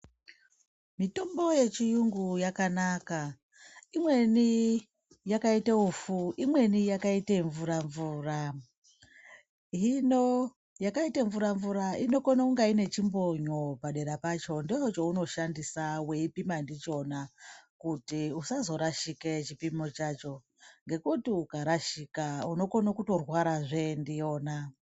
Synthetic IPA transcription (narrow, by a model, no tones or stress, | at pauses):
mito̞mbo̞je̞t͡ʃijuŋɡujakanaka | imwe̞ni | jakaitaufuimwe̞nijakaiteɱvuɾaɱvuːra | ino̞ | jakaitaɱvuɾaɱvuɾaino̞konauŋɡaine̞t͡ʃimbo̞ɲo̞paɗe̞ɾapaːt͡ʃo̞ndiot͡ʃo̞uno̞ʃandisawe̞ipimandit͡ʃo̞nakutiusazo̞ɾaʃiket͡ʃipimo̞t͡ʃaːt͡ʃo̞ | ŋɡe̞kutiukaɾaʃikauno̞ko̞nokutorwaɾaʐe̞ndijo̞ːna